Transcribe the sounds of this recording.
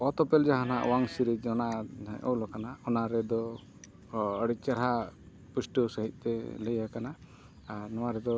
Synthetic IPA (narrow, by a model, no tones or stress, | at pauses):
ɔt̪ɔpɛld͡ʒaɦana̰ʔwaŋsiɾid͡ʒɔnaʔɔ̰wlɔkanaɔnaɾɛd̪ɔ | əɽit͡ʃaɾɦa | pusʈəsəɦic̪̚ˀt̪ɛləjakanaː | ɾnɔwaɾɛd̪ɔ